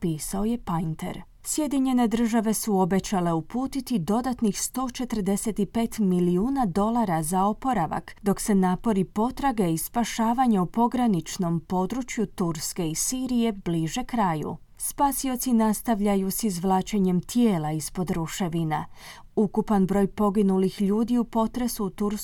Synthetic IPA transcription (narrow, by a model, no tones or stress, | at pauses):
piːsao̞je̞pajnt̪ḛɾ | sje̞d̪iɲe̞ne̞d̪r̩ʒaʋe̞suo̞be̞t͡ɕale̞upuːt̪it̪id̪o̞d̪at̪nixst̪o̞ːt͡ʃe̞t̪ər̩d̪e̞se̞t̪ipe̞ːt̪miliuːnad̪o̞lˠaɾazao̞po̞ɾaʋa̰kd̪o̞kse̞naːpo̞ɾipo̞t̪ɾaɡeispaʃaːʋaɲaupo̞ɡɾanit͡ʃno̞mpo̞d̪ɾut͡ʃjut̪uɾske̞isiːɾije̞bliʒe̞kɾaːjṵ | spaːsio̞t̪sinast̪aʋʎajusizʋlˠaːt͡ʃeɲe̞mt̪jeːlaispo̞d̪ɾuʃe̞ʋina̰ | ukupanbɾo̞ːjpo̞ɡinulixʎuːd̪iupo̞t̪ɾe̞suːt̪uɾ